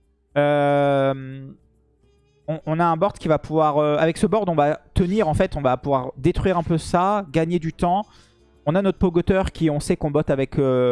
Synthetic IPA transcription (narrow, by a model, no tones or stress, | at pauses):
øm | ɔ̃ʔɔ̃naɛ̃bɔʁd̪kʲivapuvwaʁøavɛksəbɔʁd̪ɔ̃vat̪əniʁɑ̃fɛt̪ɔ̃vapuvwaʁd̪et̪χɥiʁɛ̃pøsaɡaɲed̪yt̪ɑ̃ | ɔ̃nanɔt̪χpɔɡɔt̪œʁkʲiɔ̃sɛkɔ̃bɔt̪avɛkø